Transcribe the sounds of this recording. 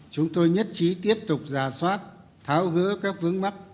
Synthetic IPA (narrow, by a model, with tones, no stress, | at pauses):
t͡ɕʊ˨˦ŋ͡mt̪o˧jɲə˦˥t̚t͡ɕi˨˦t̪i˦˥əp̚t̪ʊ˨˩k͡p̚zaː˧˩swaː˦˥t̚ | t̪ʰaː˨˦wɣɨ̰˧˥əkaː˦˥k̚vɨ˨˦əŋma˦˥k̚